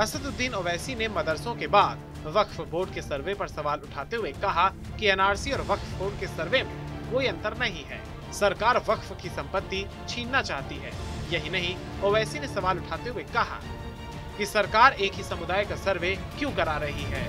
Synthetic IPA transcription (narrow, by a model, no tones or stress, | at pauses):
ɐsəd̪ʊd̪ːiːnoːʋɛːsinemɐd̪əɾsõkebaːd̪ | ʋɐkʰfboːɾɖkesɐɾʋepɐɾsɐʋaːlʊʈʰaːt̪eɦuekɐɦa | kiɛːnaːɾsiɔːɾʋɐkʰfboːɾɖkesɐɾʋemḛ̃koːiɐ̃nt̪əɾnɐɦĩɦɛ̰ː | sɐɾkaːɾʋɐkʰfkisɐ̃mpət̪ːi | t͡ʃʰiːnːat͡ʃaːɦt̪iɦɛ̰ːjɐɦinɐɦĩ | oːʋɛːsinesɐʋaːlʊʈʰaːt̪eɦuekɐɦa̰ | kisɐɾkaːɾeːkɦisɐmʊd̪aːjkasɐɾʋekjũkɐɾaːɾɐɦiɦɛː